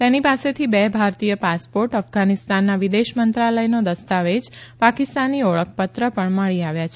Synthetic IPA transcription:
t̪enipaset̪ʰibebʱaɾt̪ijəpaspoɾʈəfɡanist̪anːaʋid̪eʃmənt̪ɾaləjnod̪əst̪aʋed͡ʒpakɪst̪anːiɔɭək̚ʰpət̪ɾəpəɳməɭiaʋjat͡ʃʰ

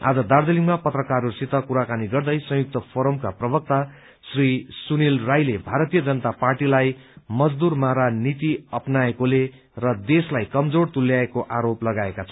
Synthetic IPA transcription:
a̰d͡zʌd̪ard̪ʌliŋmapʌt̪rʌkaɾusit̪ʌkuɾakaniɡʌrd̪ʌjsʌ̃juk̚t̪ʌpʰoɾʌmkaprʌbʌk̚t̪a | srisunilrajlebʱaɾʌt̪ijʌd͡zʌnət̪aparʈilajmʌd͡zd̪urmaɾanit̪iʌpnaekole | rʌd̪eslajkʌmd͡zort̪ulːjaekoʔaɾoplʌɡaekat͡sʰʌ

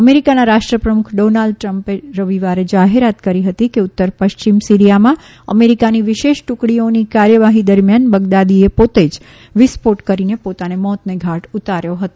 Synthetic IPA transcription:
əmeɾikanaɾaʃʈɾəpɾəmukʰɖonalɖ̚ʈɾəmpeɾəʋiʋaɾed͡ʒaɦeɾat̪kəɾiɦət̪ikeut̪ːəɾpəʃt͡ʃimsiɾijamã | ə̰meɾikaniʋɪʃeʃʈukɽionikaɾjəʋaɦid̪əɾmjanbəɡd̪ad̪iepot̪ed͡ʒ | ʋispoʈkəɾinepot̪anemɔt̪neɡʱaʈut̪aɾjoɦət̪o

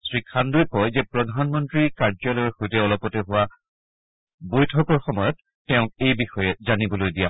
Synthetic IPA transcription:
sɹikʰːandojkɔjzɛpɹɔdʱanmɔntɹikaɹzɔlɔjɔxojtɛɔlɔpɔtɛɦʊwa | bojtʰɔkɔɹxɔmɔjɔtːɛʊ̃kejbixɔjɛzanibɔlojdija

